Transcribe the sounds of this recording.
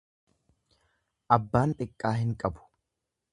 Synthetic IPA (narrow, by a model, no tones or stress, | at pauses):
ʔɐbːaːnt̪ʼɪkʼːaːhɪŋkʼɐbʊ̥